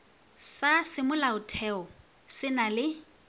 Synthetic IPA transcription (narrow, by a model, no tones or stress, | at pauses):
sasɪmʊlaʊtʰɛɔ | sɪnalɪ